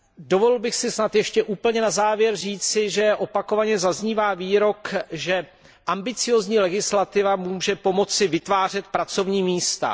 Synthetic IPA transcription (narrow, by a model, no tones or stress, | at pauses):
do̞volɪlbɪxsɪsnat̪jɛʃcɛʔuːpl̩ɲɛnazaːvjɛɾriːt͡sɪʒɛʔo̞pakovaɲɛzazɲiːvaːviːɾo̞kʒɛ | ʔambɪt͡sɪjoːzɲiːlɛɡɪslat̪ɪvamuːʒɛpo̞mo̞t͡sɪvɪt̪vaːr̝ɛt̪̚pɾat͡so̞vɲiːmiːst̪a̰